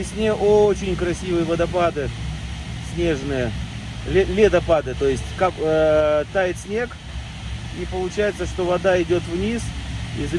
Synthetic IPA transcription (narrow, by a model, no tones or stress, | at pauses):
ɪsʲnʲeʔot͡ɕɪnʲkɾɐsʲivɨjəvəd̪ɐpad̪ɨ | sʲnʲe̞ʐnɨjə | lʲlʲed̪ɐpad̪ɨt̪o̞jɪsʲtʲkak | t̪ajɪt̪sʲnʲe̞k | ipəlˠʊt͡ɕæjɪt̪səʂt̪o̞vɐd̪aɪdʲo̞t̪vnʲisḭz